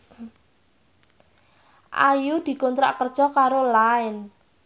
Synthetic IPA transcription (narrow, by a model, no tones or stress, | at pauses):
ʔa̰jud̪̥i̤kɔnt̪ɾa̰ʔkərd̥ʒ̥ɔ̤kaɾolaɪn